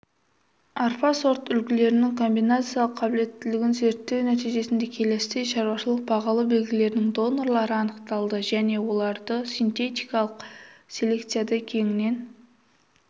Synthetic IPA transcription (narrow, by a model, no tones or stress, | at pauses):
arpɑso̞ɾt̪ʏlkʲɪle̞ɾɪnɪŋkʰo̞mbijnat̪sɨjɑlˠəqʰːɑbɪle̞t̪ːɪlɪɡʲɪnze̞ɾt̪ːe̞wnæt̪ijʒe̞sɪnd̪e̞kʲʰe̞le̞st̪eʃɑɾwɑʃəlˠəq̚bɑʁɑlˠəbe̞lɡʲɪle̞ɾɪnɪŋd̪o̞no̞ɾlˠɑɾəɑnəqt̪ɑlˠd̪əʒæne̞wo̞lˠɑɾd̪əsʲint̪e̞t̪ʲijkɑlˠəqsʲe̞le̞kt̪sɨjad̪ɑkʲʰe̞ŋɪne̞n